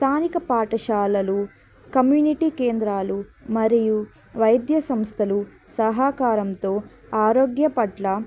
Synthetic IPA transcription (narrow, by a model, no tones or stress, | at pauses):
st̪ʰaːnikɐpaːʈɐʃaːlɐlu | kɐmjuːniʈikeːnd̪ɾaːlumɐɾiju | ʋɐjd̪jɐsɐmst̪ʰɐlu | sɐɦaːkaːɾɐmt̪o̞ː | aːɾoːɡjɐpɐʈlɐ